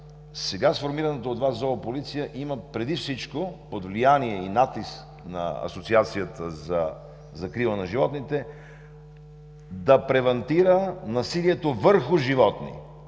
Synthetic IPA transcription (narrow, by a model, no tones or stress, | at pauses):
sɛɡasfoɾmiɾɐnɛt̪oːd̪vaszɔvɐpolit̪sijəʔiməpɾɛd̪ifsit͡ʃkopod̪vlijaniɛinat̪isk | nɐ̰ɐ̰sot̪siat̪sijət̪əzɐ | zɐkɾilˠənɐʒivɔt̪nit̪ɛ | d̪ɐpɾɛvɐnt̪iɾənɐsiliɛt̪ovəɾxʊʒivɔt̪nḭ